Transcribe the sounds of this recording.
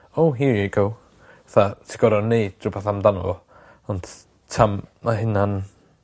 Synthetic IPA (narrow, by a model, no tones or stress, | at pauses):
owɦiɹjəɡow | vaθatʰɪ̥ɡɔɾɔnːejd̥rʊbaθamdanvɔ | ɔnd | tʰamnaɦɪnan